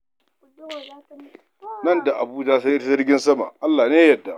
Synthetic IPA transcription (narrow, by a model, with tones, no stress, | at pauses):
nɐ˦˨nda˨ʔa˨buː˦d͡ʒaː˦sa˦ʔɪ˦ta˦zɐ˦rɡʲɪ˦nsɐ˦ma̰˨ʔa˦lːaː˨neː˦jɐ˨dːa˨